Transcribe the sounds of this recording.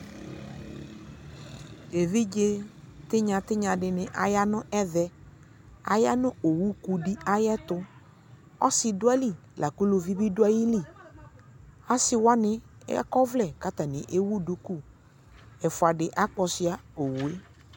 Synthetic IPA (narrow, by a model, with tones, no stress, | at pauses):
e˨vi˦d͡ʒe˦ | t̪ɪ˦ɲã˨t̪ɪ˦ɲã˨dɪ˨nɪ˨ʔa˨ja˦nʊ˦ʔɛ˦ðɛ˦ | a̰˨ja˦nʊ̃˦o˨wu˦ku˨di˦a˦jɛ˦t̪ʊ˦ | ɔ˦sɪ˨dʊ˦a˦li˦˨ | lʔa˨ku˦lo˨vi˦bi˦dʊ˦a˦ji˦li˦˨ | a˦sɪ˦wa˦nɪ˦ɛ̰˦kɔ˦vlɛ˨ka˦t̪a˨nɪ˨ʔe˦wu˦du˦ku˦ | ɛ˨fʊ˨a˨dɪ˨ʔa˦k͡pɔ˧sɪ˦a˦o˨wu˨e˦